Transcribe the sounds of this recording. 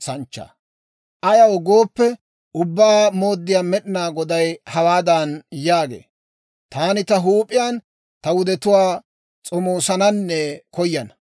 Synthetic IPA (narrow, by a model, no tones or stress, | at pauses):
sɐnt͡ʃːa̰ | ʔɐjɐwɡo̞ːpːɛ | ʊbːaːmoːd̪ːɪjaːmɛɗɪnaːɡɔd̪ɐjhɐwaːd̪ɐnjaːɡḛː | t̪aːnɪt̪ɐɦuːpʼɪjaːn | t̪ɐwʊd̪ɛt̪ʊwaː | t͡sʼɔmoːsɐnɐnːɛkɔjːɐn